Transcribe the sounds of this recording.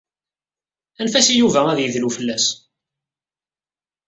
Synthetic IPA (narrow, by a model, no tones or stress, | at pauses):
ænfæsijuvææðjəðlufəlːæs